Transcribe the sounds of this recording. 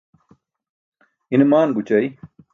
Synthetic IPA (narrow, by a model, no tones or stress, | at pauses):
inmaːnɡut͡ɕɐj